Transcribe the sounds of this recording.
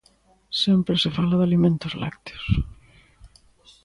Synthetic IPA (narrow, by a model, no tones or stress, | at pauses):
sempɾesefalaðalimẽnt̪ozla̰k̚t̪e̥os